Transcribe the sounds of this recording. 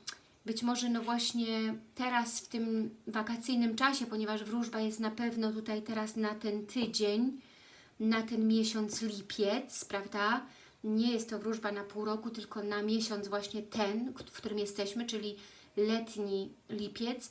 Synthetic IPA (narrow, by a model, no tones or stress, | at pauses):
bɘt͡ɕmɔʐɛnɔvwaɕɲɛt̪ɛɾasft̪ɘmvakat̪sɘjnɘmt͡ʂaɕɛpɔɲɛvaʐvɾuʐbajɛst̪napɛvnɔt̪̬ut̪ajt̪ɛɾasnat̪ɛnt̪ʰɘd͡ʑeɲ | nat̪ɛnmʲjɛɕɔnt̪slʲipʲjɛt̪spɾavd̪a | ɲɛjɛst̪ːɔvɾuʐbanapuwɾɔkut̪ɘlkɔnamʲjɛɕɔnt̪zvwaɕɲɛt̪ʰɛnkkt̪uɾɘmjɛst̪ɛɕmɘt͡ʂɘlʲi | lɛt̪ɲilʲipʲjɛt̪s